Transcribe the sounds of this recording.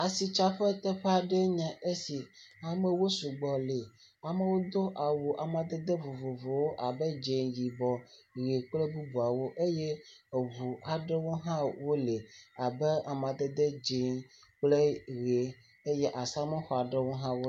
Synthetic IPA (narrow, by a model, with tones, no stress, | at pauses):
a˨si˨t͡ʃa˦ɸɛ˦t̪ɛ˦ɸɛ˦a˨ɖe˦ɲã˨ʔe˦si˨a˨me˨wo˦su˨ɡ͡bɔ˨le˨ | a˨me˦wo˦d̪o˦ʔa˨wu˨ʔa˨mã˨d̪e˦d̪e˦vo˨vo˨vo˨wo˦ʔa˨be˦d͡ʒe˨nji˨bɔ˨ɣe˨k͡ple˦bu˦bu˨a˨wo˦ʔe˦je˦˨vu˨a˨ɖe˦wo˦ɦã˦wo˦le˨a˨be˦a˨mã˨d̪e˦d̪e˦d͡ʒe˨˦ | k͡ple˦ɣe˨ | e˦je˦ʔa˨sa˦me˦xɔ˨a˨ɖe˦wo˦ɦã˦wo˦